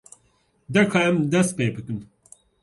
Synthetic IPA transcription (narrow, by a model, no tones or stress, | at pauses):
d̪ɛɾkʰɑːɛmd̪ɛst̪̚peːbɨkɨm